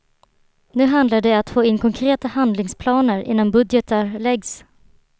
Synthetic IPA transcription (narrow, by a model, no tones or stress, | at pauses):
nʉ̟ːɦand̪laɖɛat̪foːɪnkʰɔŋkʰɾeːt̪ahand̪lɪŋspʰlɑːnəɾʔɪ̰nːanbɵd̪jɛt̪ʰaɾlɛɡs